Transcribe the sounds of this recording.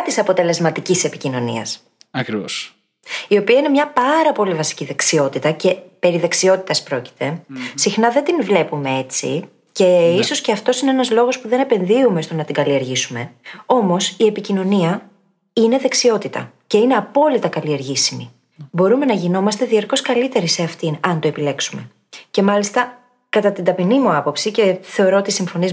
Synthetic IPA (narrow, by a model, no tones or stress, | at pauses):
t̪isɐpo̞t̪e̞le̞zmɐt̪icisse̞picino̞nḭɐ̰s | ɐkɾio̰ | io̞piɐinemɲɐpɐɾɐpo̞livɐsi̥ciðeksio̞t̪it̪ɐce̞pe̞ɾiðɐksio̞t̪it̪ɐspɾo̞ci̥t̪e̞sixnɐðed̪invle̞pume̞e̞t͡sḭ | ce̞iso̞sce̞ɐft̪o̞sineenɐzlo̞ɣo̞spuðe̞ne̞pe̞nðiumest̪onɐt̪iɡɐlie̞ɾʝisume̞o̞mo̞sie̞picino̞niɐ | ine̞ðe̞ksio̞t̪it̪ɐ̰ | ce̞ine̞ɐpo̞lit̪ɐkɐlie̞ɾʝisimḭ | bo̞ɾume̞nɐʝino̞mɐst̪e̞ðiɐɾko̞skɐlit̪e̞ɾise̞ɐft̪inɐnt̪oepile̞ksume̞ | ce̞mɐlist̪ɐ | kɐt̪ɐt̪ind̪ɐpinimuɐpo̞psice̞θe̞o̞ɾoot̪isiɱfo̞niz